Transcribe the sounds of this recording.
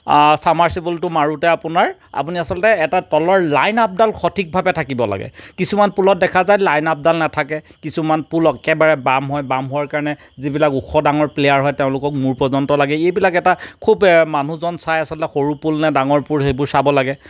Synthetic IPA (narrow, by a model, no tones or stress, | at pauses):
samaɹsibɔltʊmaɹutɛapʊnaɹa̰puniasɔltɛːtatɔlɔɹlajnap̚dalxotʰik̚bʱabɛtʰakibɔla̰ɡɛ̰kisumanpulɔt̚dɛkʰazajlajnap̚dalnatʰakɛ | kisumanpulɔkkɛbaɹɛbamɦɔjbamɦʊwaɹkaɹɔnɛ | zibilakukʰɔdaŋɔɹplejaɹɦɔjteʊ̃lʊkɔk̚muɹpɹɔzɔntɔlaɡɛejbilakɛtakʰubman̤uzɔnsajasɔltɛxoɹupulnɛdaŋɔɹpuɹɦejbʊɹsabɔlaɡɛ